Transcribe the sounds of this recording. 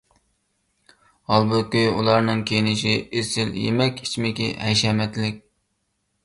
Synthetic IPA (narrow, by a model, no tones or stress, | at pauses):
hɑlˠbukʲyjulˠɑɾnɨŋkʲʰejnɪʃiesɪljḛmɛkʲi̥t͡ʃʰmɪkʲḭhɛjʃɛmɛt̪lɪk̚ʲ